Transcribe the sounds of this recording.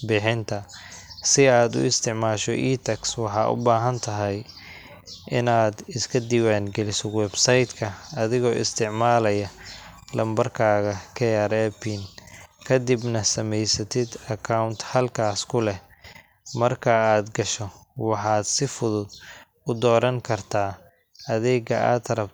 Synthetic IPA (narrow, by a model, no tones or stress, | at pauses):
bɪħɪnt̪ʰɐsɪaːd̪ʊ̰ɪst̪ʰɪʕmaːʃɔʔiːt̪ʰɛkswɑħɑ̰ːʔʊ̰baːɦɐnt̪ʰɐɦɛj | ʔɪnaːd̪ɪskʰɐd̪iwaːŋɡɛlɪsɔwɛbsɐjd̪kʰɐɐðɪɣɔːʔɪ̰st̪ʰɪʕmaːlɐjɐlɐmbɐrkʰaːɣɐkʰɛaɾɛːpʰinkʰɐd̪ibnɐsɐmɛjsɐt̪ʰɪd̪ɐkʰawnt̪hɐlkʰaːskʰʊlɛ | mɐrkʰɐaːd̪ɡɐʃɔwɑħɑːd̪sɪfʊðʊd̪ | ʊd̪ɔːɾɐŋkʰɐrt̪ʰaː | ɐðɛːɡɐʔa̰ːt̪ɾɐb